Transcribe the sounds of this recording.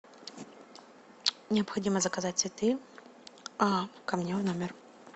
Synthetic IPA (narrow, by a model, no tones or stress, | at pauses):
nʲɪɐpxɐdʲimɐzɐkɐzatʲsʲit̪ɨ | ɐkɐmnʲɛwnɔmʲɪr